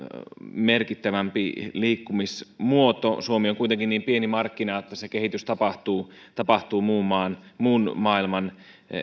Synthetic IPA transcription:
merkit̪ːæʋæmpḭliːkːumismuot̪osuomioŋkuit̪eŋkinniːmpienimɑrkːinɑot̪ːæsekehit̪yst̪ɑpɑht̪uːt̪ɑpɑht̪uːmuːmːɑːnmuːnmɑːilmɑn

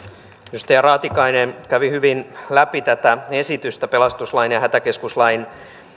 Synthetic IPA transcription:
jyst̪æjɑrɑːt̪ikɑinenkæʋihyʋinlæpit̪æt̪æesit̪yst̪æpe̞lɑst̪uslɑinjɑhæt̪æke̞skuslɑin

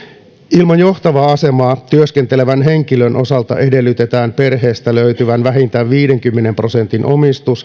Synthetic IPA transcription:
ilmɑnjo̞ht̪ɑʋɑɑse̞mɑːt̪yøskent̪e̞leʋænɦeŋkilønʔo̞sɑlt̪ɑ̰ʔe̞de̞lːyt̪et̪æːnpe̞rɦe̞ːst̪æløyt̪yʋænʋæɦint̪æʋʋiːɾeŋkymːene̞mpro̞se̞nt̪inʔo̞̰mist̪us

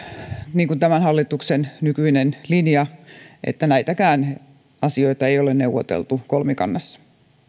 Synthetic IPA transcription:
niːŋkunt̪æmænhɑlːit̪uksennykyinenlinjɑʔḛt̪ːænæit̪ækæːn | ɑsioit̪ɑeijolenneuʋˑo̰t̪ḛlt̪ukolmikɑ̰nːɑsːɑ̥

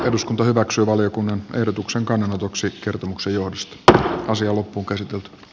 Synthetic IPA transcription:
eduskunt̪ɑhyʋæksyːʋɑljokunːɑnʔehdot̪ukseŋkɑnːenot̪oksikert̪omuksejohdost̪ɑsiɑlopːuːŋkæsit̪elt̪y̥

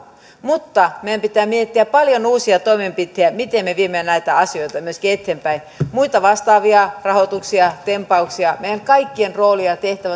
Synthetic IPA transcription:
mut̪ːɑmeæmpit̪æːmiet̪ːiæppɑljonuːsiɑt̪oimempit̪hejæmit̪emmeʋiemeænæit̪æɑsioit̪ɑmyøskiet̪ʰːeːmpæin | muit̪ɑʋɑst̪ɑːʋiɑrɑhot̪uksiɑt̪empɑuksiɑmeijæŋkɑikːienroːliɑt̪eht̪æʋæ

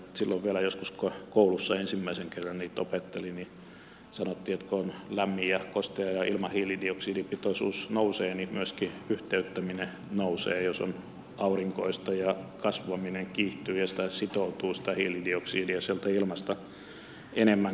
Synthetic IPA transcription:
silːoʋʋielæjoskuskokoulusːɑensimːæiseŋkerːɑnniːt̪opet̪ːelini | sɑnot̪ːiːet̪koonlæmːijɑkost̪ejɑjɑilmɑhiːlidioksiːdipit̪osṵːsnouseːnimyøski | yht̪eyt̪ːæmine | nousḛːjoso̰n | ɑuriŋkoist̪ɑjɑkɑsʋɑmineŋkiːht̪yːjɑsi̥t̪æsit̪out̪uːsi̥t̪æhiːlidioksiːdijɑsielt̪æilmɑst̪ɑ | ʔenemːæŋ

